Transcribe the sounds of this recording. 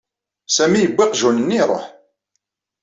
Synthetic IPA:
sæmijəbʷːiqʒunənːiɾˤo̰ħ

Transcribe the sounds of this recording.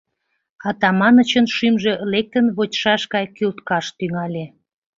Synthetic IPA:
ɑt̪ɑmɑnə̆t͡ɕənʃymʒe̽lek̚t̪ənβotʲʃɑʃkɑjkylt̪kɑʃt̪yŋɑlʲe

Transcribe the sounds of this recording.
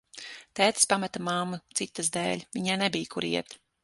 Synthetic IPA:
t̪æːt̪ɨ̥spamat̪amamːɨt̪sit̪ːɨzd̪ɛ̰ːlʲvʲiɲaːnebijkuɾiɛt̪

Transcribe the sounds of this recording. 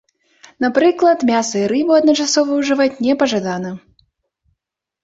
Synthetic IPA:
napɾɨklˠɐt̪mʲasɐiɾɨbɨɐd̪nɐt͡ʂasɔvɐwʐɨvat͡sʲnʲɛpɐʐad̪anɐ

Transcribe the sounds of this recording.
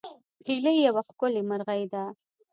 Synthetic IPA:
pʰiləjawaxkʊlemaɾɣajd̪a

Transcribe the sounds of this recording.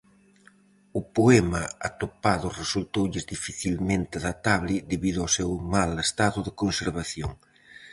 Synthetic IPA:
ʊpoɛmaa̰t̪opaðʊresult̪owʎɪzðifiθilment̪ɪaðat̪aβlɪd̪eβiðʊawsewmalest̪aðʊðekonseɾβaθjoŋ

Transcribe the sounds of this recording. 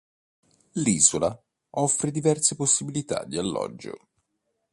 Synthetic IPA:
liːzola | ɔfːɾed̪ivɛrseposːibilit̪a̰d̪ːialːɔ̰d͡ʒːo̰

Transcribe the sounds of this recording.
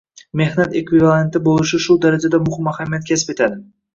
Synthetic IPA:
me̞hnat̪e̞kvivalˠe̞nt̪ɪbolˠɪʃɪʃʊd̪aɾad͡ʒad̪amʊhɪmːahamijat̪̚kʲʰasɪ̥pet̪ʰad̪ɪ

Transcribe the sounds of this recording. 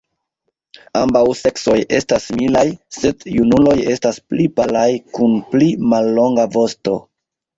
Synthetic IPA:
ambawse̞kso̞je̞stasmilajse̞djunulo̞je̞stasplipalajkunplimalːo̞ŋɡavo̞sto̞

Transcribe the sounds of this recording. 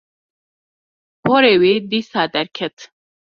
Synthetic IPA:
pʰoːɾeːweːd̪iːsaːd̪ɛɾkʰɛt̪

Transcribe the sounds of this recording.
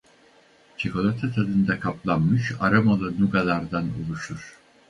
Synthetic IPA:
t͡ʃʰoko̞lˠat̪ʰat̪ʰad̪ɯnd̪akʰaplˠanmɯʃa̰ɾamalˠɯnuɡalˠaɾd̪anṵlˠuʃuɾ̥

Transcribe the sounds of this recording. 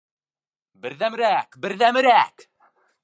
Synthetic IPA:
bɘ̆ɾðæmɘ̆ɾækbɘ̆ɾðæmɘ̆ɾæk

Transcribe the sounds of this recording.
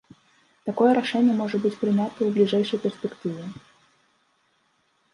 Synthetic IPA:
t̪akɔjɛɾaʂɛnʲːɛmɔʐɐbɨt͡sʲpɾɨnʲat̪ɐwblʲiʐɛjʂɐjpʲɛrspʲɛkt̪ɨvʲɛ

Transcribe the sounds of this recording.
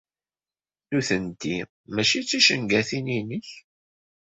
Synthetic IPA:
nuθənt̪ːi | mæʃit͡sːiʃəŋɡæθininəç

